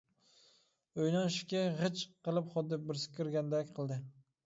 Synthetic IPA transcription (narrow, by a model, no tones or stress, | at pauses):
ojnɒnʃɪ̥kʲaʁɨt͡ʃqɨlˠɪpχɒt̪̚d̪ɪp̚bɪɾsɪ̥kʲʰːɪɾɡʲand̪akʲqʰɨlˠd̪ɪ